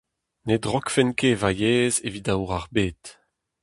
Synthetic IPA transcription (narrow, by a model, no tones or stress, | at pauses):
ned̪ʁɔkfɛnkevajeːzevidawʁaʁbeːt̪